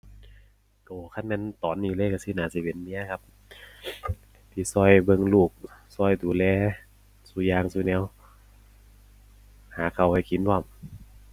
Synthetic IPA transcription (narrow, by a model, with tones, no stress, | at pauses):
toː˨˩kʰa˧˥˨nmɛː˧˥˨nt̪ɔː˨˦nːiː˧˩˦lɤː˧˨jka˧˩siː˧˦˨naː˨˦si˧˦˩pe˨˦nːi˧˥ɐ˨kʰa˧p̚ | t̪ʰiː˧˩sɔː˧˩jbɤ˧˨ŋluː˧˩k̚sɔː˧˩˨jduː˨˦lɛː˧˦ | suː˧˦jaː˧ŋsuː˧˦nɛː˧˥˨w | haː˨˦kʰa˧˩wha˧˩jki˨˦nwɔː˧˩˨m